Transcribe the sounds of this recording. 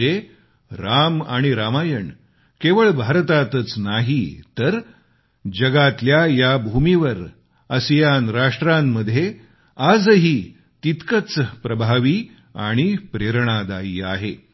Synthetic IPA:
e | ɾama̰ɽ̃iɾamajəɳ | keʋəɭbʱaɾt̪at̪ət͡snaɦit̪əɾ | d͡ʑəɡat̪ljajabʱumiʋəɾ | əsjanɾaʂʈɾamːəd̪ʱːje | ad͡zɦiː | t̪it̪kət͡spɾəbʱaʋiː | a̰ɽ̃ipɾeɾɳ̃ad̪aiːaɦe

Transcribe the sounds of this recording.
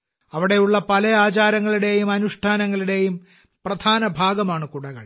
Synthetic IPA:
ɐʋiɽe̞juɭːɐpɐlɐjaːt͡ɕaːɾɐŋːɐɭiɽe̞jumɐnuʂʈʰaːnɐŋːɐɭiɽe̞jum | prɐd̪ʱaːnɐbʱaːɡɐmaːɳɨkuɽɐɣɐ̰ɭ

